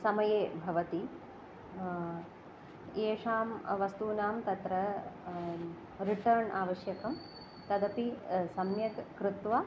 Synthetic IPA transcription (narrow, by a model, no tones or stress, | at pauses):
sɐmɐjeːbʱɐʋɐt̪i | eːʂaːmʋɐst̪uːnaːmt̪ɐt̪ɾɐ | ɾiʈɐɾɳaːʋɐʃjɐkɐm | t̪ɐd̪ɐpisɐmjɐt̪kɾɪt̪ʋa